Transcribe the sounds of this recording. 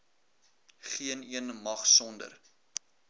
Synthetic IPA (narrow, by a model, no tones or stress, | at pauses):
χiəniənmɐχsɔndə̰r